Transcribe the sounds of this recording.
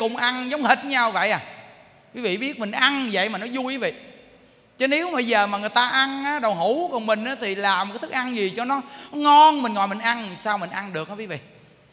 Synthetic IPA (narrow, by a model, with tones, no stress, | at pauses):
kʊ˨˩ŋ͡mʔa˧nŋzə˨˦wŋ͡mhi˨˩t̚ɲa˧wvə̰˧˨jʔaː˨˩ | kwi˨˦vḭ˧˨ɓi˦˥ət̚mï˨˩ŋ̟ʔa˧nvə̰˧˨jmaː˨˩nɔ˨˦jzu˧jkːvḭ˧˨ | t͡ɕə˨˦ne˨˦əwmː˨ɓə˧jzəː˨˩maː˨˩ŋɨ˨˩əjt̪aː˧ʔa˧nʔaː˨˦ɗə˨˩wɦu˧˩˦kɔ˨˩nmï˨˩ŋ̟ʔaː˨˦t̪ʰi˨˩laː˨˩m˨kːaː˨˦t̪ʰk̚ʔa˧nzi˨˩t͡ɕɔ˧nɔ˨˦ɔ˨˦ŋɔ˧nmi̟˨˩ŋɔ̰˧˨jmï˨˩ŋ̟ʔa˧nsaː˧wmï˨˩ŋ̟ʔa˧nɗɨ˨˩ək̚aː˨˧kwi˨˦vḭ˧˨